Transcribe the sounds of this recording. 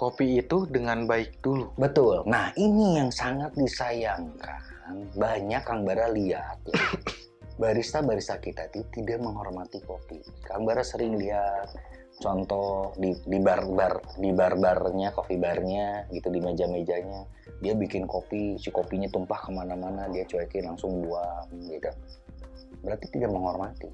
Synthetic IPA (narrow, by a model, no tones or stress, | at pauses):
kopiːt̪udəŋanbaɪk̚dulubət̪ʊlnahinijaŋsaŋat̪̚disajaŋkʰa | nbaɲakːaŋbaɾaliat̪̚ja | baɾist̪abaɾist̪akit̪at̪ut̪idaʔməŋɦɔrmat̪ikopi | kaŋbaɾasəɾɪŋliɦat̪̚ | t͡ʃɔnt̪ɔdidibarbardibarbarɲakofibarɲaɡit̪udimed͡ʒamed͡ʒaɲa | diabikɪnkopisikopiɲat̪umpahkəmanamanadiat͡ʃuakɛlaŋsʊŋbuaŋɡit̪u | bəɾart̪it̪idaʔ̚məŋɦɔrmat̪i